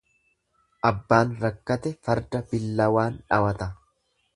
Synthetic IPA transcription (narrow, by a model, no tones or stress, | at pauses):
ʔɐbːaːnɾɐkːɐt̪ɛfɐɾd̪ɐbɪlːɐwaːnᶑɐwɐt̪ɐ